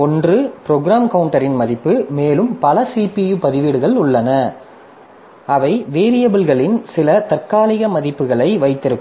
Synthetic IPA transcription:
ɔndrɯpɪɾoːɡɾaːmkɐʊɳʈɐɾɪnmɐðɪpːɯmeːlɯmpɐlɐsiːpijupɐðɪʋiːɽɯɣɐɭʊɭːɐnɐ | ɐʋɐɪʋeːɾɪjɐbɯlɣɐɭɪnsɪlɐt̪ɐrkaːlɪɣɐmɐðɪpːɯɣɐɭɐɪʋɐɪt̪ːɪɾɯkː

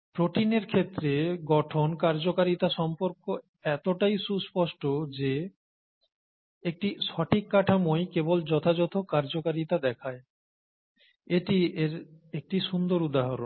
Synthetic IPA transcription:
pɾoʈineɾkʰet̪ːɾeɡɔʈʰonkaɾd͡ʑokaɾit̪aʃɔmpoɾko | ɛt̪oʈajʃuspɔʃʈod͡ʑe | ek̚ʈiʃɔʈʰikːaʈʰamojkebold͡ʑɔt̪ʰad͡ʑɔt̪ʰokaɾd͡ʑokaɾit̪ad̪ɛkʰae | eʈieɾek̚ʈiʃund̪oɾud̪aɦaɾo̰n

